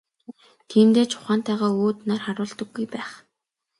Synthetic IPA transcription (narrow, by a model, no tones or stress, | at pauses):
t̪ʰiːnt̪eːt͡ɕʰʊ̥χaːn̥t̪æːʁaːoːt̪narχaɾʊːɮt̪ə̆ɡːujpæːχ